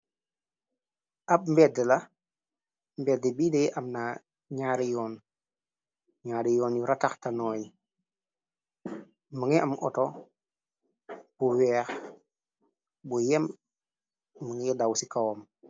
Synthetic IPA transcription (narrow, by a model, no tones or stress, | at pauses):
ʔɐp̚mbɛdəlɐ | mbɛdɛbiːdejʔamna | ɲaːɾijɔːn | ɲaːɾijɔːnjuɾataxtanɔːji | məŋiamʔɔ̰tɔ | b̥uwɛːx | bujɛm | əŋjɛdawsikawom